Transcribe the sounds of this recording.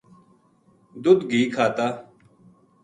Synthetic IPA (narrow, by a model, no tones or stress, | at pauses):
d̪ʊd̪ɡiːkʰaːt̪aː